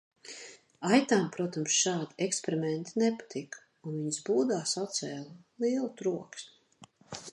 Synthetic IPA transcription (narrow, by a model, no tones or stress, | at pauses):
ajt̪aːmpɾuɔt̪amsʃaːd̪iɛkspeɾimɛnt̪inɛpḁt̪ʰik | unviɲsbuːd̪aːsat̪sɛːlˠlˠiɛlˠut̪ɾuɔksmʲi̥